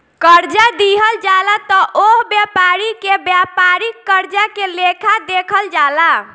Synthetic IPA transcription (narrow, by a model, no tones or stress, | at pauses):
kəɾd͡ʒad̪iɦəld͡ʒalat̪ɔʔoɦbjapaɾikebjapaɾikːəɾd͡ʒakelekʰad̪ekʰəld͡ʒala